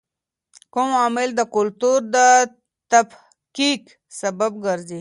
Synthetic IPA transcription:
komamild̪əkʊlt̪uɾd̪ə | t̪ɐf | kik | sɐbəbɡəɾzi

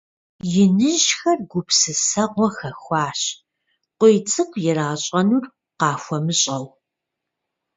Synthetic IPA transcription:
jɪnɨʑxɐrɡʷʊpʰsɨsɐʁʷɔxɐxʷɑːɕ | qʷojt͡sʼɨqʷjɪɾaːɕʼɐnur | qɑːxʷɔmɨɕʼɐw

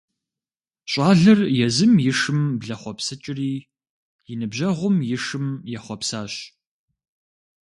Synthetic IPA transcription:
ɕʼɑːɮɐrjɛzɨmjɪʂɨmbɮɐχʷɔpsɐt͡ʃʼɪriː | jɪnɨbʑɐʁʷʊmjɪʂɨmjɛχʷɔpsaːɕ

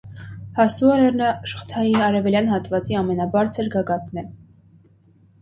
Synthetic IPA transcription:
hɑsuɑɾɛɾnəʃə̥χə̥t̪ʰɑjiɑɾɛvɛljɑnhɑt̪vɑt͡siɑmɛnɑbɑɾt͡sʰəɾɡɑɡɑt̪nɛ

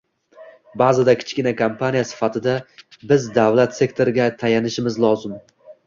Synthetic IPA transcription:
bazɪd̪akʲʰɪ̥t͡ʃkʲɪnakʰampʰanijasɪ̥fat̪ʰɪd̪abɪzd̪avlat̪se̞kt̪ʰo̞ɾɪɡʲat̪ʰajanɪʃɪmɪzlˠɒzɪm

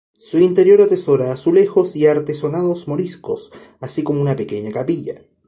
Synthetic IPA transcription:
suint̪e̞ɾjo̞ɾat̪e̞so̞ɾaːsule̞xo̞siaɾt̪e̞so̞nað̞o̞zmo̞ɾisko̞̰s | asikomounape̞ke̞ɲakapiʝa̰

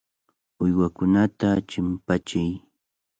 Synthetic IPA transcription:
ʊjwakʊnat̪at͡ʃɪmpat͡ʃɪj

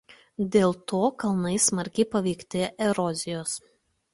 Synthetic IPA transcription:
d̪ʲeːlˠt̪oːkɐlˠnɐɪsmɐɾʲkʲɛɪpɐʋʲɛːkt̪ʲeʔɛɾɔzʲɪjoːs

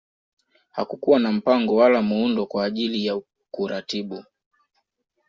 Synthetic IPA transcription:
hakukuwanam̩paŋɡɔwalamuundɔkwaːʄilijau | kuɾatiɓu

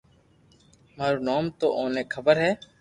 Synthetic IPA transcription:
maːɾoːnaːmt̪o̰ːʔoːneːkʰəbəɾɦɛː

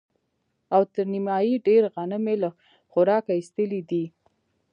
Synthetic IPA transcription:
awt̪əɾnimɑjiɖeɾɣanəmela | xʊɾɑkaist̪əlid̪i

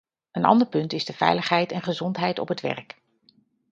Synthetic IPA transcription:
ənɑ̰ndəɹpɵntɪzdəv̥ɛ̰jləχɦɛjtɛnχəzɔntɦɛjtɔ̰pɦətʋɛ̰ɹk

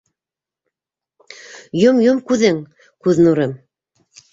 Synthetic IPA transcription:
jomjomkʉðɘŋ | kʉðnuɾɤm

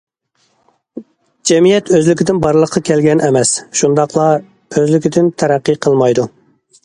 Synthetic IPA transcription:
d͡ʒɛmijɛt̪øzlɪkʲid̪ɪnbɑɾlˠəqʰːɑkʲʰɛlɡʲɛnʔɛmɛsʃund̪ɑqlˠɑ | øzlɪkʲid̪ɪnt̪ʰæɾæqːɨqʰəlˠmɑjd̪u

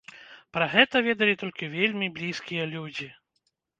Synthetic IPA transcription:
pɾɐɣɛt̪ɐvʲed̪ɐlʲit̪ɔlʲkʲivʲelʲmʲiblʲiskʲijɐlʲud͡zʲi

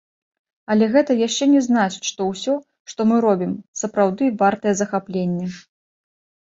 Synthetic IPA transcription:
ɐlʲɛɣɛt̪ɐjaʂt͡ʂɛnʲɛznat͡ʃɨ̥ʂt̪ɔwsʲɔ | ʂt̪ɔmɨɾɔbʲimsɐpɾawd̪ɨvart̪ɐjɛzɐxaplʲenʲːɛ

